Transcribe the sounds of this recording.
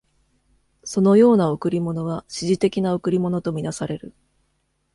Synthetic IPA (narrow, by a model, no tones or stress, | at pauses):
so̞no̞jo̞ːnaokɯ̟ɾʲimo̞no̞βaɕiʑit̪e̞kʲinaokɯ̟ɾʲimo̞no̞t̪o̞mʲinasaɾe̞ɾɯ̟